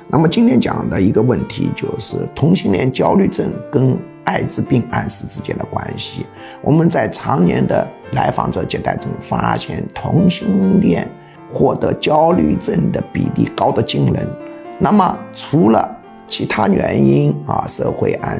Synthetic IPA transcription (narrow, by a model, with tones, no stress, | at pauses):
na˥˩mə˩t͡ɕi˥ŋt̪ʰjɛ˥nt͡ɕjɑ̰˨˩ŋd̪ə˦i˧˥ɡə˧wə˥˩nt̪ʰḭ˧˥t͡ɕjo˥˧ʊʂɻ̩˥˩t̪ʰʊ˧˥ŋɕi˥ŋljɛ̰˥˩nt͡ɕjɑ˥ʊly˥˧ʈ͡ʂə˥˧˩nkə˥n | a˥˩ɪt͡sɹ̩˧pi˥˧ŋa˥˧nʂɹ̩˥˧t͡sɹ̩˥˧t͡ɕjɛ̰˥nd̪ə˨˩kwa̰˥nɕi˨˩ | wɔ˨˩mə˧˦nt͡sa˥˩ɪt͡sʰɑ˧˥ŋnjɛ˧˥nd̪ə̰˧ | la˧˥ɪfɑ̰˨˩ŋʈ͡ʂɤ˧˥t͡ɕjɛ˨˩nt̪a̰˥˩ɪt͡sʊ˥ŋfa̰˥ɕjɛ̰˥˩nt̪ʰʊ˧˥ŋɕi˥ŋŋljɛ̰˥˧n | xwɔ˥˩t̪ɤ˧˥t͡ɕjɑ˥ʊly̰˥˧˩ʈ͡ʂə˥˩nd̪ə˩pḭ˨˩lḭ˥˩kɑ˥ʊd̪ə˨t͡ɕi˥ŋlə̰˧˥nna˥˩mə˩ʈ͡ʂʰu˧˥lə˧ | t͡ɕʰi˧˥t̪ʰa˥ɥɛ˧˥ni˥nɐ̰˧ʂɤ̰˥˩xwe˥˧ɪʔa̰˥˩